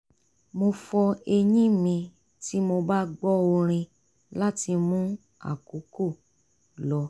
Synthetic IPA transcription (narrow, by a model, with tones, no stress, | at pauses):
mo˧fɔ˧e˧ɲĩ˦mĩ˧ | ti˦mo˧ba˦ɡ͡bɔ˦o˧ɾ̃ĩ˧ | la˦ti˧mũ˦ | a̰˨ku˨˦ko˦˨ | lɔ˨˧